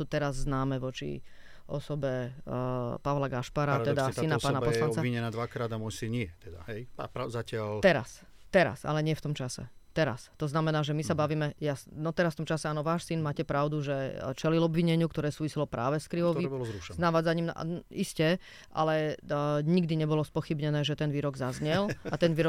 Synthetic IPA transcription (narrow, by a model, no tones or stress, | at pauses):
suːt̪ɛɾazːnaːmɛʋɔt͡ʃḭ | ʔɔ̰sɔbɛ | paʋlaɡaʃpaɾat̪ɛd̪asinaspaːnaɔsɛlanɔt͡saiɲɛnaːd̪ʋakɾaːd̪amwɔjsinɲɪɛt̪ɛd̪a̰ɦɛja̰pazacɪalt̪ɛɾa̰s | t̪ɛɾa̰sa̰lɛɲɪɛft̪ɔmt͡ʃasɛ̰t̪ɛɾa̰st̪ɔznamɛnaːʒɛmisabaʋiːmɛjasnɔt̪ɛɾas̬ft̪ɔmt͡ʃasɛaːnɔʋaːʃsinmaːcɛpɾaʊd̪uʒɛt͡ʃɛlilɔbʋiɲɛɲɪukt̪ɔɾɛːsuːʋisilɔpɾa̰ːʋɛskɾiʋɔʋibɔlɔzɾuʃɛznaʋaːd͡zaɲiːmna̰iscɛ | ʔa̰lɛ | ɲiɡd̪iɲɛbɔlɔspɔxibɲɛnɛːʒɛt̪ɛnʋiːɾɔɡzazɲɛlat̪ɛnʋiːɾɔ